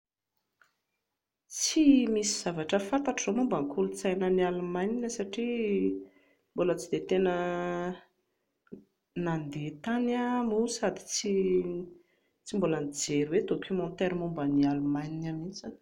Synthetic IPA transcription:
t͡simisiz̥avaʈ͡ʂəfant̪aʈ͡ʂzomumbaŋkʰulut͡sajnənialumajninəsaʈ͡ʂi | mbolət͡sid̪et̪enə | nand̪et̪anamusad̪i̥t͡si | t͡simbolənid͡zeɾuwed̪okʲumɔ̃nt̪ɛɾimumbənialumajninamint͡san

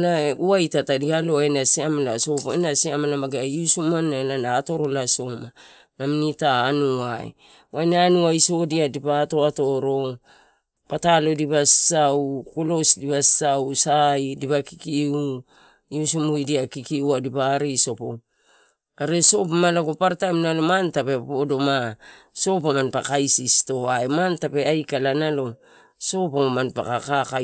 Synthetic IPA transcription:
laeuajtatadialoenasiamalaso̞penasiamalamaɡeaiusumanːalanaːto̞ɾo̞laso̞ma | naminitaːnuaj̰ | wajnaanuaiso̞diadipato̞ato̞ɾo̞ | patalo̞diβassaukolo̞sdibassawsajdipakikiu | iusumujdiakikiuadipaɾiso̞po | aɾeso̞p̬amalaɡopaɾtajmnalo̞mantape̞podo̞ma | so̞pamanpakajsisto̞aemantape̞ajkalanalo̞ | so̞pamanpa̰kakaka

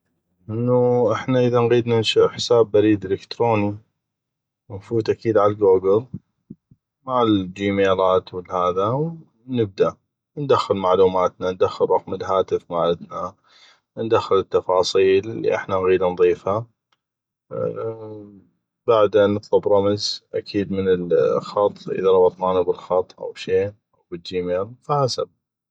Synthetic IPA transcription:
ʔɪnːuʔɪħnaʔəðanɣiːd̪nanʃʊʔħɪ̥saːbːaɾiːd̪ʔɪlɪkt̪ɾoːni | mmfuːt̪ʔakiːd̪ʕaalɡuːɡɪl | maʕɪld͡ʒiːmeːlaːt̪wɪlːhaːðaw | nɪb̚d̪aʔ | nd̪axːɪlmaʕluːmaːt̪nand̪axːɪlɾˤɑqməlɦaːt̪ɪfmaːʕɪd̪na | nd̪axːɪlɪt̪ːɑfɑːsˤiːllːḭʔɪ̰ħnanɣiːd̪anðˤiːfha | baʕd̪anːɨt̪ðˤɑbɾˤɑmzʔakʰiːd̪mənɪlxɑt̪ˤːʔɪ̰ðaɾˤɑbɑt̪ˤnaːnabɪlxɑt̪ˤːʔa̰wʃeːnʔawbɪd͡ʒiːmeːlfahasa̰b

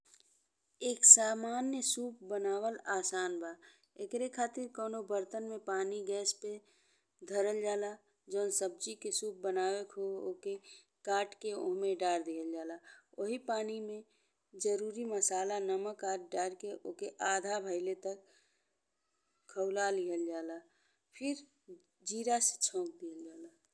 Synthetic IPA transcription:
eːksaːmaːnjəsuːp̚bənaːwəlaːsaːnbʱaː | ekɾekʰaːt̪ɪɾkɔːnobəɾt̪ənmẽpaːniɡɛːspe | d̪ʱəɾəld͡ʒaːla | d͡ʒoːnsəb̚d͡ʒikesuːp̚bənaːwekʰooke | kaːʈkeõ̰ɦmẽɖaːɾd̪iɦəld͡ʒaːlaoɦipaːnimẽ | d͡ʒəɾuːɾiməsaːlanəməkaːɾ̚ɖaːɾkeʔoːkeʔaːd̪ʱabʱəɪlet̪ək | əʊlaliɦəld͡ʒaːla | pʰɪɾ | d͡ʒiːɾase̥t͡ʃʰɔ̃ːk̚d̪iɦəld͡ʒaːla

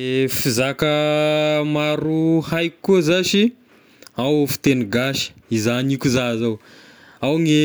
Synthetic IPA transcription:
efizakə | maɾuhajkikːuzaʃi | awfi̥t̪eniɡaʃə̥izanikuzazaw | awŋe

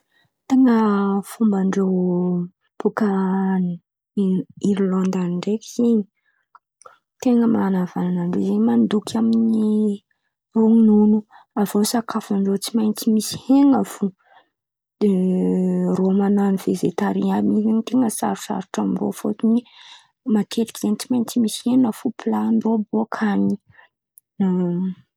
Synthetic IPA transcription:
t̪eŋəfumbaɳɖ͡ʐew | pukani | iɾilond̪aniɳɖ͡ʐekiz̥eɲi | t̪eŋəmanavananaɳɖ͡ʐezeɲmand̪ukʰʲamini | oŋinunu | avosakʰafaɳɖ͡ʐot͡simajnt͡simisi̥heŋafu̥ | e | romananiv̥ezet̪aɾiabiizeɲt̪eŋəsa̰ɾu̥sa̰ɾuʈ͡ʂamro̰fot̪ini | mat̪ʰet̪ikiz̥ent͡simajnt͡simisi̥henəfuplaniroboakʰani | na

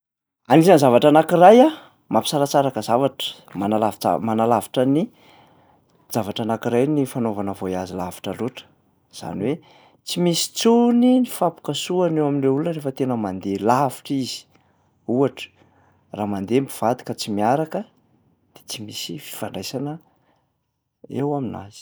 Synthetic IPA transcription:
anizanzavaʈ͡ʂanakiraja | mapisaɾat͡saɾakəzavaʈ͡ʂə̥ | manalav̰manalavi̥ʈ͡ʂəni | z̥avaʈ͡ʂanakiɾajnifanovanəvoiazilavi̥ʈ͡ʂəluʈ͡ʂə̥ | z̥a̰niwe | t͡simisi̥t͡suninifapu̥kəsuanewaminreulunrefət̪enəmand̪elavi̥ʈ͡ʂiz̥i̥ | uaʈ͡ʂə̥ | raːmand̪embiv̥ad̪i̥kət͡simiaɾakə | d̪̥e̥t͡simisifi̥faɳɖ͡ʐajsanə | ewamina̰z̥i̥

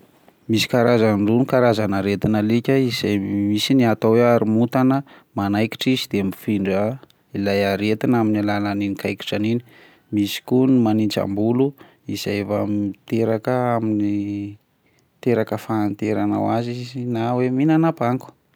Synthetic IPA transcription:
misi̥kaɾazaɳɖ͡ʐunikaɾazanəɾet̪inəlikʲəizajmisiniat̪aweaɾimut̪anə | manajki̥ʈ͡ʂizid̪emifiɳɖ͡ʐə | ilajaɾet̪inaminilalaninikajki̥ʈ͡ʂanini̥ | misi̥kunimanint͡ʃa̰mbulu | izajvamt̪eɾakəamini | t̪eɾakəfaːnt̪eɾana̰wazizinaweminanapaŋku̥

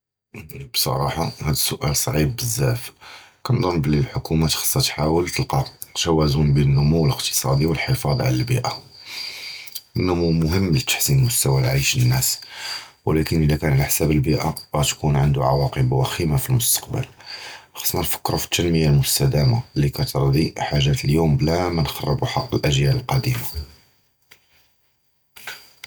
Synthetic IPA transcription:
bsˤɑ̰ɾˤɑħɑhæd̪əsːʊʔælsˤʕib̚bəzːæfkɑnd̪ˤɑmːbəlilħʊkʰumat̪xɑ̥sˤːɑt̪ħawəlt̪əlqɑʒæwæzunbinənːʊmuwːələqt̪ə̥sˤɑd̪iwəlħəfɑd̪ˤʕa̰lælbḭʔa | ənːʊmumʊɦəmːlt̪ːḁħsinmʊst̪æwælʕiʃənːæs | wəlækənʔəd̪ækænʕalaħsæbəlbiʔaɣæt̪kunʕənd̪uʕɑ̰wɑqəbwæximafilmʊst̪ɑ̥q̚bə̰lxɑ̥sˤnɑnfə̥kːɾufi̥t̪ʰːænməjːalmʊst̪æd̪æmalikæt̪əɾˤd̪iħaʒːæt̪əljumblæmænxɑrˤːə̰buħɑqːəlʔæʒjæləlqɑd̪ima

